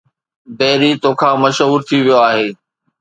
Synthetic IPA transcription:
bɛːɾit̪õːkʰãːmɐʃɦuːɾt̪ʰiʋijoaːɦeː

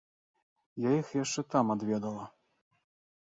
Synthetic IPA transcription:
jajixjaʂt͡ʂɛt̪amad̪vʲɛd̪ɐlˠɐ

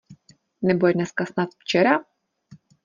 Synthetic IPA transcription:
nɛbuɛnɛskasnat̪ft͡ʃɛɾa

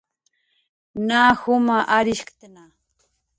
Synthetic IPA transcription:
naːhʊmaʔaɾɪʃkt̪ana

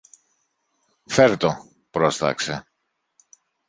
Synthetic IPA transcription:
feɾt̪o | pɾost̪ɐ̰kse

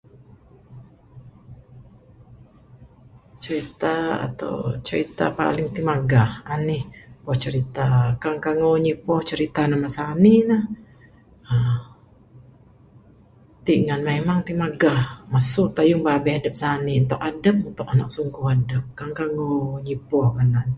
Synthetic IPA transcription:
t͡ʃəɾit̪aa̰t̪a̰wt͡ʃəɾit̪a̰pa̰lɪŋt̪imaɡahanihpɔht͡ʃəɾit̪akaŋkaŋowɲipɔht͡ʃəɾit̪anamasaninah | ə | t̪iʔŋanmemaŋt̪imaɡahmasʊʔt̪ajʊŋbabɛhadəp̚saniunt̪ʊʔadəp̚unt̪ʊkanaʔsuŋkuhadəp̚kaŋkaŋoɲipɔhkanan

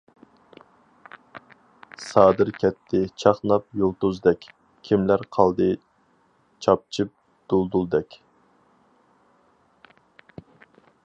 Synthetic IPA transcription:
sɑːd̪ɨɾkʲʰɛt̪ʰːɪt͡ʃʰɑχnˠɑp̚jolˠt̪uzd̪ɛkʲ | kʲʰimlæɾqʰɑlˠd̪ɨ | t͡ʃʰɑp̚t͡ʃʰɨp̚ | d̪̥ulˠd̪ulˠd̪ɛkʲ

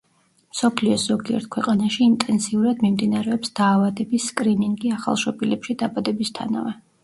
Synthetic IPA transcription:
msɔpʰliɔsz̥ɔɡiɛ̰ɾt̪̚kʰwɛqʼanaʃiːnt̪ʼɛnsiuɾad̪mimd̪inaɾɛɔpsd̪̥aːvad̪ɛbisːkʼɾiniŋɡiaχa̰lˠʃɔbilɛpʃid̪abad̪ɛbist̪ʰa̰na̰vɛ

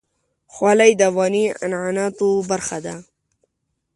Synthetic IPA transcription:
xwalajd̪awɑnia̰nʕanɑt̪obaɾxad̪a

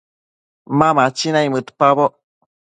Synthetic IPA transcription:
mamat͡ʃinajmɨt̪paβo

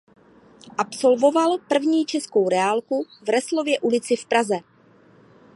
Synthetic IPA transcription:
ʔapso̞lvo̞valpr̩vɲiːt͡ʃɛsko̞wɾɛalkuvrɛslo̞vjɛʔulɪt͡sɪfpɾazɛ

